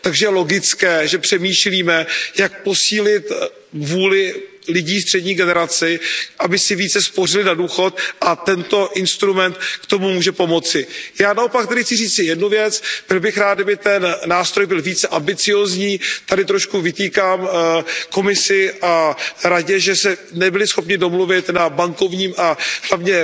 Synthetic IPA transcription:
t̪aɡʒɛjɛlo̞ɡɪt͡skɛːʒɛpr̥ɛmiːʃliːmɛjak̚po̞siːlɪt̪ | vuːlɪ | lɪɟiːs̬t̪r̥ɛdɲiːɡɛnɛɾat͡sɪʔabɪsɪviːt͡sɛspo̞r̝ɪlɪnaduːxo̞t̪ʔat̪ɛnt̪o̞ʔɪnst̪ɾumɛnt̪kt̪o̞mumuːʒɛpo̞mo̞t͡sɪjaːnaʔopak̚t̪ɛdɪxt͡sɪriːt͡sɪjɛdnuvjɛt͡sb̥ɪlbɪxɾaːt̪̚abɪt̪ɛnːaːst̪ɾojbɪlviːt͡sɛʔambɪt͡sɪjoːzɲiːt̪adɪt̪ɾoʃkuvɪt̪iːkaːmko̞mɪsɪʔaɾaɟɛʒɛsɛnɛbɪlɪsxo̞pɲɪdo̞mluvɪt̪nabaŋko̞vɲiːmʔaɦlavɲɛ

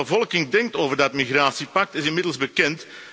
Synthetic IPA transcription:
əvɔlˠkɪŋdɛŋk̚toːvərdɑtmiɣraːtsipɑk̚tɪsɪnmɪdəl̩ˠzbəkɛnt

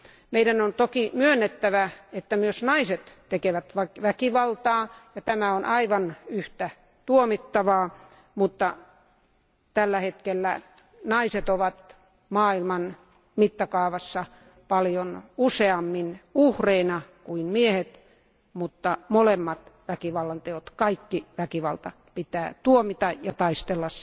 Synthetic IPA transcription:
meidænont̪okimyønːet̪ːæʋæet̪ːæmyøsnɑiset̪t̪ekeʋæt̪ʋɑʋækiʋɑlt̪ɑːjɑt̪æmæonʔɑiʋɑnyht̪æ | t̪uomit̪ːɑʋɑː | mut̪ːɑ | t̪ælːæhet̪kelːæ̰ | nɑiset̪oʋɑt̪ | mɑːilmɑn | mit̪ːɑkɑːʋɑsːɑ | pɑljonuseɑmːinuhreinɑkuinmiehet̪ | mut̪ːɑmolemːɑt̪ʋækiʋɑlːɑnt̪eot̪kɑikːiʋækiʋɑlt̪ɑ | pit̪æːt̪uomit̪ɑjɑt̪ɑist̪elːɑs

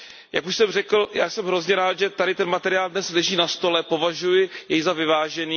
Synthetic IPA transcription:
ja̰kuʃsɛmrɛkl̩jaːjsɛmɦɾo̞zɲɛɾaːt̪ʒɛt̪adɪt̪ɛnmat̪ɛɾɪaːldnɛslɛʒiːnast̪o̞lɛpo̞vaʒujɪjɛjzavɪvaːʒɛniː

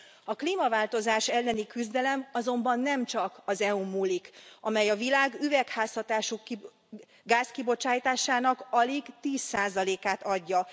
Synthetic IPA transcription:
ɒkliːmɒvaːlt̪o̞zaːʃɛlːɛnikyzd̪ɛlɛmɒzo̞mbɒnːɛmt͡ʃɒkɒzɛumuːlːikʔɒmɛjɒvilaːɡyvɛkhaːshɒt̪aːʃukː | ɡaːskibo̞t͡ʃaːjt̪aːʃaːnɒkɒliɡt̪iːsːaːzɒleːkaːt̪ɒɟːɒ

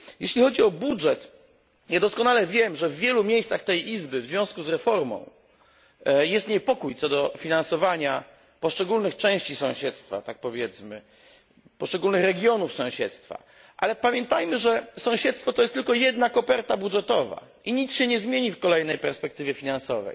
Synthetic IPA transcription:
jɛɕlʲixɔd͡ʑiɔbudʐɛt̪ | jad̪ɔskɔnalɛvʲjɛmʐɛvːʲjɛlumʲjejssaxt̪ɛjʔizbɘvzvʲjɔ̃w̃skuzɾɛfɔɾmɔ̰̃w̃ | jɛst̪ɲɛpɔkujt̪sɔd̪ɔfʲinansɔvaɲa | pɔʂt͡ʂɛɡulnɘxt͡ʂɛ̃w̃ɕt͡ɕisɔ̃w̃ɕɛt̪st̪fa̰t̪ak̚pɔvʲjɛt̪smɘ | pɔʂt͡ʂɛɡulnɘxɾɛɡʲjɔnufsɔ̃w̃ɕɛt̪st̪fa̰ | ʔalɛpamʲjɛnt̪ajmɘʐɛsɔ̃w̃ɕɛt̪st̪fɔt̪ɔjɛst̪ːɘlkɔjɛd̪nakɔpɛɾt̪abudʐɛt̪ɔva̰ | iɲit̪t͡sɕɛɲɛzmʲjeɲifkɔlɛjnɛjpɛɾspɛk̚t̪ɘvʲjɛfʲinansɔvɛ̰j

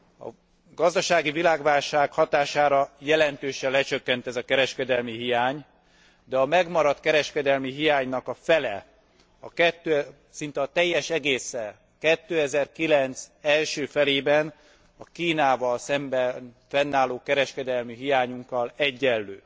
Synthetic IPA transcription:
ɒ̰ | ɡɒzd̪ɒʃaːɡivilaːɡvaːlʃaːkhɒt̪aːʃaːɾɒjɛlɛnt̪øːʃɛlɛt͡ʃøkːɛnt̪ɛzɒkɛɾɛʃkɛd̪ɛlmiɦijaːɲ | d̪ɛɒmɛɡmɒɾɒt̪kɛɾɛʃkɛd̪ɛlmiɦijaːɲnɒkɒfɛlɛ̰ | ɒ̰kɛt̪ːø | sint̪ɛɒt̪ɛjːɛʃɛɡeːsːɛl | kɛt̪ːøːɛzɛrkilɛnt̪sɛlʃøːfɛleːbɛn | ɒkiːnaːvɒlsɛmbɛnfɛnːaːloːkɛɾɛʃkɛd̪ɛlmiɦijaːɲuŋkːɒlɛɟːɛlːøː

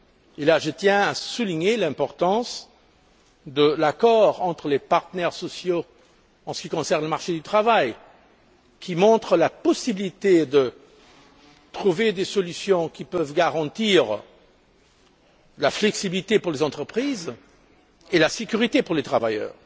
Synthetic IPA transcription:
elaʒət̪jɛ̃asuliɲelɛ̃pɔʁt̪ɑ̃s | d̪əlakɔʁɑ̃t̪χəlepaʁt̪ənɛʁsɔsjo | ɑ̃sə̥kʲikɔ̃sɛʁnləmaʁʃed̪yt̪χavaj | kʰʲimɔ̃t̪χəlapɔsibilit̪ed̪ə | t̪χuved̪esɔlysjɔ̃kʲipœvɡaʁɑ̃t̪iʁ | laflɛksibilit̪epuʁlezɑ̃t̪χəpχiːz | elasekyʁit̪epuʁlet̪χavajœ̰ːʁ

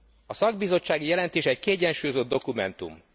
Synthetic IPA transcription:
ɒsɒɡbizo̞t͡ʃːaːɡijɛlɛnt̪eːʃɛckiɛɟːɛnʃuːjozo̞d̪d̪o̞kumɛnt̪ṵm

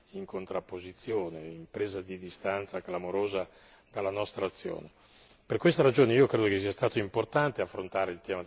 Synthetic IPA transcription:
iŋkʰont̪ɾapːozit̪sːjoːneimpɾeːzad̪id̪ist̪ant̪saɡlamoɾoːza | d̪alːanɔst̪ɾaːt̪sːjo̰ːne | perkwest̪aɾad͡ʒoːneiːokɾeːd̪okesiast̪aːt̪oimport̪ant̪eafːɾont̪aːɾeilt̪ɛːmad̪

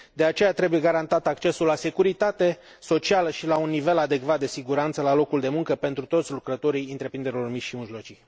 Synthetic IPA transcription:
d̪e̞at͡ʃe̞jat̪ɾe̞buje̞ɡaɾant̪at̪akt͡ʃe̞sulːase̞kuɾit̪at̪e̞ | so̞t͡ʃialəʃilaunːive̞lad̪e̞kvat̪̚d̪e̞siɡuɾant̪səlalo̞kuld̪e̞muŋkəpe̞nt̪ɾut̪o̞t̪sʲlukɾət̪o̞ɾijɨnt̪ɾe̞pɾind̪e̞ɾilo̞rmit͡ʃʲʃimiʒlo̞t͡ʃij

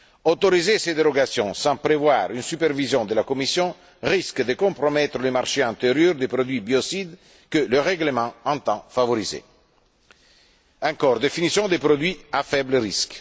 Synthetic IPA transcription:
ot̪oɾizesed̪eɾoɡasjɔ̃sɑ̃pɾevwaːɾynsypervizjɔ̃d̪əlakomisjɔ̃ | riskd̪əkõmpɾomɛt̪ɾələmarʃeɑ̃nt̪eɾjøɾd̪epɾod̪wɥibiosid̪ | kələrɛɡləmɑ̃ɑ̃nt̪ɑ̃favoɾizḛ | ɑ̃ŋkɔːrd̪efinisjɔ̃d̪epɾod̪wɥiafɛbləɾisk

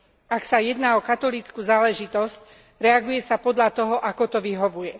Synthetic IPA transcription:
aksajɛd̪naːɔkat̪ɔlit͡skuːzaːlɛʒit̪ɔsc | ɾɛaɡujɛsapɔd̪ʎat̪ɔɦɔʔakɔt̪ɔʋiɦɔʋujɛ

